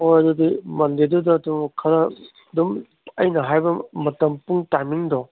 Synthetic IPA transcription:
ojɐdudimɐndedudɐːdumkʰɐɾɐ | dum | ɐjnɐɦajbɐmɐtɐmpuŋtajmiŋdɔ

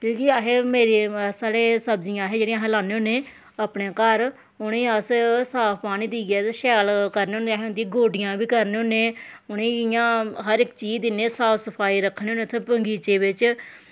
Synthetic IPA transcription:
kjõːkɪəɦeːmeːɾeːsaːɽeːsəbd͡ʒɪãːɦeːd͡ʒeːɽĩãːɦlaːneːʊnːeː | aːpɳeːkəɾ | ʊneːəssaːpʰpaːñĩːd̪iːɡɛːt̪ːʃɛːlkəɾneːʊ̃nd̪eːaɦeːʊ̃nd̪ijĩːɡoːɖɪjãːbiːkəɾneːɦʊ̃nːẽːʊneːɪjãːɦəɾɪkt͡ʃiːd͡ʒd̪ɪneːsaːfsəpʰaːiːɾəkʰːneːʊnẽt̪ʰẽːpəŋɡiːt͡ʃeːbɪt͡ʃ

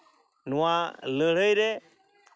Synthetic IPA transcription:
nuwaləɽəjɾe

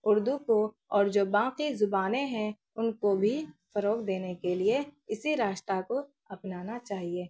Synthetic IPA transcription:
ʊɾd̪uko | ɔːɾd͡ʒoːbãːqizʊbaːneɦɛ̃ | ʊnkobʱifɐɾoːkd̪eːnekelieɪsiɾaːʃt̪ɾako | ɐpnaːnat͡ʃaːɦieː

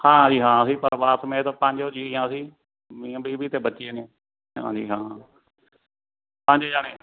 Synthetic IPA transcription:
hãːd͡ʒiːɦãːsiːpəɾʋaːt̪mẽːt̪õːpə̃ɲd͡ʒoːd͡ʒiːijãːsiː | mĩːbiːbʱiːt̪eːbətːʃeːneː | ɦã̰ːd͡ʒiːɦãː | pə̃ɲd͡ʒd͡ʒaːneː

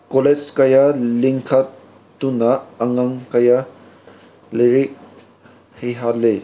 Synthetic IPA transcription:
koled͡ʒkajaliŋkʰat | tːunaːŋaŋkɐja | leɾik̚ | hejɦalːe

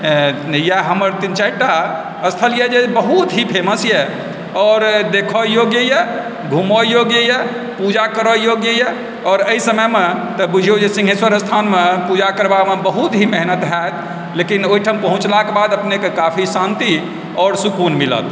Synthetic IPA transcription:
jaɦəməɾt̪int͡ʃaiʈa | əst̪ʰəlijəd͡ʒebəɦut̪ɦipʰeməsjɛ | ɔːɾd̪ekʰɔjoɡjəjɛ | ɡʱumojoɡjəjə | pud͡ʒakəɾɔjoɡjəjɛ | ɔːɾəisəməjmet̪ɔbud͡ʒʱijod͡ʒesĩŋɡɦeswəɾəst̪ʰanmepud͡ʒakəɾbamebəɦut̪ɦimeɦnət̪ɦɛt̪̚ | lekinoɦiʈʰəmpəɦũt͡ʃlakebad̪əpnekekapʰisãnt̪i | ɔːɾsukunmilə̰t̪

